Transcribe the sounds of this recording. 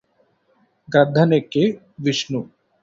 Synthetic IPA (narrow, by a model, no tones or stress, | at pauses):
ɡad̪ʱːanekːe | ʋiʃnu